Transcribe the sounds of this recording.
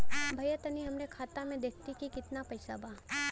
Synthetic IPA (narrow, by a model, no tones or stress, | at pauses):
bʱɐjət̪ɐniɦɐmɾekʰaːt̪amẽd̪eːkʰt̪ikikɪt̪napɐjsa̰bʱaː